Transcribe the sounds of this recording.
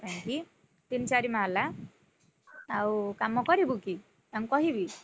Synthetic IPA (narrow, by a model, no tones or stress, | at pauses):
pajki | t̪int͡ʃaɾimãla | awkamːɔkɔɾibuki | amkɔɦibi